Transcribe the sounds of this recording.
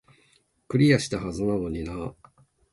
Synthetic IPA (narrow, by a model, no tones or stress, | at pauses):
kɯ̟ɾʲijaɕi̥t̪ahazɨnano̞ɲ̟ina